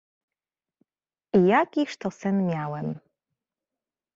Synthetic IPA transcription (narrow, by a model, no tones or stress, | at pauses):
ijakʲiʂt̪ɔsɘnmʲjawɛm